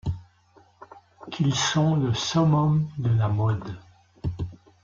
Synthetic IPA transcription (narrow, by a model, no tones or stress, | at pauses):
kʰilsɔ̃ləsɔmɔmd̪əlamɔd̪